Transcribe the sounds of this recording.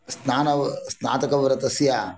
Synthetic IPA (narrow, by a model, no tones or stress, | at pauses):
snaːnɐʋsna̰ːt̪ɐkɐʋɾɐt̪ɐsja